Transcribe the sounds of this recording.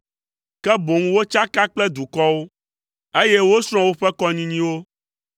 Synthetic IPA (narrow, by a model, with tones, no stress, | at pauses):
kɛ˦bo˨ŋũ˦wo˦t͡ʃa˦ka˦k͡plɛ˦d̪u˨kɔ˦wo˦ | e˦jɛ˦wo˦sɾ̃ɔ̃˦wo˦ɸɛ˦kɔ˦ɲĩ˦ɲĩ˦wo˦